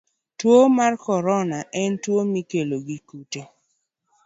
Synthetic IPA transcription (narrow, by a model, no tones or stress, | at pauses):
twomarkɔɾɔnaʔɛntwomikeloɡikute